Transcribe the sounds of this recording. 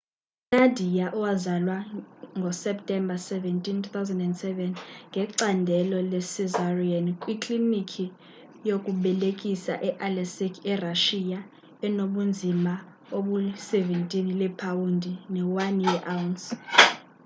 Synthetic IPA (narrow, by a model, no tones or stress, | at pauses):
unadʱijaʔɔwazalwaŋɡʱɔsɛptʼɛmbʱasɛvɛntʼintʰut̪ʰawzɛndɛndsɛvɛnŋɡʱɛǀandʱɛlɔlɛsizariankʼwikʼlinikʰi | jokʼuɓɛlekʼisa̰ʔɛʔalɛsikʰɛraʃija | ɛnoɓund͡zʱima | oɓusɛvɛntʼinilɛpʰawundʱinɛwaniɛʔawuns